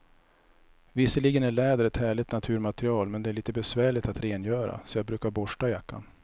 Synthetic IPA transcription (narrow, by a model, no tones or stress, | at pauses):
vɪsːəɭiːɡənæɭɛːd̪əɾɛt̪hæːɭɪt̪nat̪ʰʉ̟ːɾmat̪ɾɪɑːlmɛnd̪ɛæɭiːt̪əbɛsvæːɭɪt̪at̪ɾeːnjœːɾa̰sɔjɑːbɾʉ̟ːkaɾbɔʂʈajakːa̰n